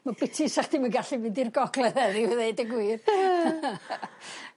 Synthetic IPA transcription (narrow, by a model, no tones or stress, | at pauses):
mab̥ɪtʰisaχd̥imaɡaɬivɨdirɡɔɡlɛðɛðɪðejdəɡwiːr